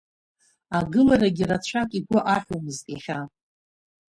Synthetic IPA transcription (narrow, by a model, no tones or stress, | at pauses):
aɡɨlaɾaɡʲirat͡ɕʷʰakʼiɡʷʊʔaħumɨztʼiχʲa